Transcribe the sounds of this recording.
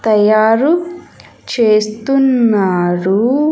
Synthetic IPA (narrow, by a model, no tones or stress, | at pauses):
t̪ɐjaːɾu | t͡ʃeːst̪unːaːɾu